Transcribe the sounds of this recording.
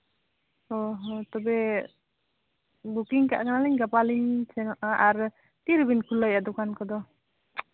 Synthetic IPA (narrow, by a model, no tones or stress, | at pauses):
ɔɦɔt̪ɔbɛ | bukiŋka̰ʔkanaliɲɡapaliɲsɛnɔʔaʔaɾ | t̪iɾbinkʰulːɔjʔad̪ɔkankɔd̪ɔ